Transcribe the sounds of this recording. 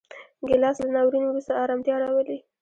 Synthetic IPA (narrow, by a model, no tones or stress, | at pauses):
ɡɪlɑslanɑwɾinewɾust̪aɑɾɑmt̪jɑɽawəli